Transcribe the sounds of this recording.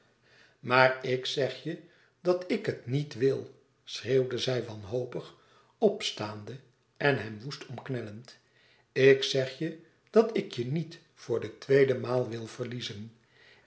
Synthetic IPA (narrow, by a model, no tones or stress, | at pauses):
maːɹɪksɛχjə | d̥ɑtɪkɦətnitʋɪlˠ | sreːwdəzɛjʋɑnɦowpəχ | ɔpstaːndə | ɛnɦɛmʋustʰɔmknɛlənt | ɪksɛχjə | d̥ɑtɪkjənit | fʊːɹdətʋejdəmaːlˠʋɪlˠv̥əɹlizən